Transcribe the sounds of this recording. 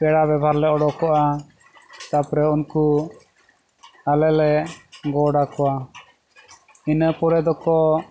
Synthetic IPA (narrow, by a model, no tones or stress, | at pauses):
pɛɽabɛbʱaɾlɛɔɽɔkɔʔa | t̪apɾɛunku | alɛlɛɡɔɽakɔwa | inəpɔɾɛd̪ɔkɔ